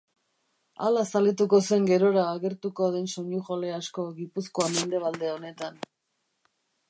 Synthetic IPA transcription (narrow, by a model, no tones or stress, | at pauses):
a̰lasalet̪uko̞se̞ŋɡe̞ɾo̞ɾaːɣe̞ɾt̪uko̞ð̞e̞nso̞ɲuʝole̞asko̞ɣipusko̞ame̞nd̪e̞β̞ald̪e̞one̞t̪an